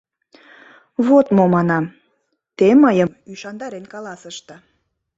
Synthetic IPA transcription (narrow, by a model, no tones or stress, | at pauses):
βot̪momɑnɑm | t̪eməjəmyʃɑnd̪ɑɾenkɑlɑsəʃt̪ə